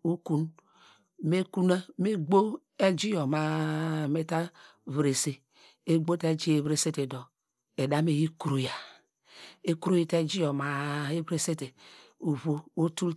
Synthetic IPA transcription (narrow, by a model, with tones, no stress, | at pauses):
u˦ku˦n | me˦ku˦na˦me˦ɡ͡bo˦ | e˦d͡ʒi˦jo˨ma˨me˦ta˦vɾe˨se˨ | e˦ɡ͡bo˦te˦d͡ʒi˦e˦˨βɾe˨se˦te˨do˨ | e˨da˦me˨ji˦ku˨ɾu˨ja˨ | e˦ku˦ɾo˦ji˦te˦d͡ʒi˦jo˨ma˨e˦vɾe˦se˦te˨u˨βo˦o˦tu˦l